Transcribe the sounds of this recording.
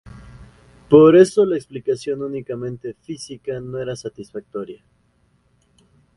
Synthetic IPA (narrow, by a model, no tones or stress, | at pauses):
po̞ɾe̞so̞laeksplikasjo̞nunikamẽ̞nt̪e̞fisikano̞e̞ɾasat̪isfak̚t̪o̞ɾja